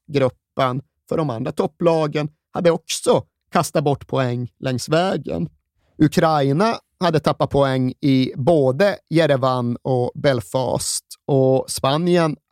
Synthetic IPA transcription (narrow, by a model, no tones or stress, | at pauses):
ɡɾɵpːən | fœɖɔmand̪ɾat̪ʰɔpːlɑːɡən | had̪ːəɔksɔ | kʰast̪at̪̚bɔʈːpʰɔɛŋːlɛŋsvɛːɡə̰n | ɵkʰɾaɪna | had̪ːət̪ʰapːat̪̚pʰɔɛŋːɪboːd̪əjɛɾɛvanːɔbɛlfɑ̰ːst̪ɔspanjən